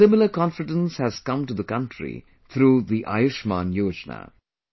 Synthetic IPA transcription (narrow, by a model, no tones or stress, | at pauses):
ɪmɪl̩ˠəkɔ̃nfɪɖə̃nshæz̥kʌ̃mʈuðəkʌ̃ntɹḭ | t̪ʰɾuːðiʔa̰ɪʊʃmã̰ːnjoːd͡ʒnə̰